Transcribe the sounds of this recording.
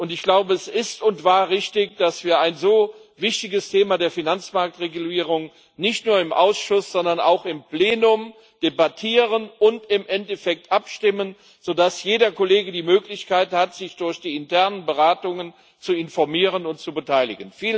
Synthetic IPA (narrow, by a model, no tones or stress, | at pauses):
ʔʊntɪçɡ̥laʊbəɛsɪstʊntv̥aːɐʁɪçtɪkd̥asv̥iːɐaɪnzoːvɪçtɪɡəstʰeːmadeːɐfinant͡smaɐk̚tʁeɡuliːʁ̞ʊŋ | nɪçtnuːɐɪmʔa̰ʊsʃʊsz̥ɔndɐna̰ʊxɪmpleːnʊm | d̥ebatʰiːʁənʔʊntɪmʔɛntɛfɛk̚tʔapʃtɪmən | z̥oːdasjeːdɐkoleːɡədiːmøːklɪçkaɪthatz̥ɪçd̥ʊɐçd̥iːɪntʰɛɐnənbəʁaːtʊŋən | t͡suɪnfɔɐmiːʁ̞ənʊntt͡subətʰaɪlɪ̰ɡənfiːl